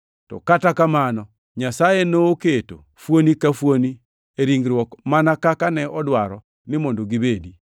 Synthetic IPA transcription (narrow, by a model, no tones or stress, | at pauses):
tɔ̰katakamanɔ | ɲasajenoːketo̰ | fwonikafwoni | eɾiŋɡɾwɔkmanakakanɛɔdwaɾɔ | nɪmondoɡibedi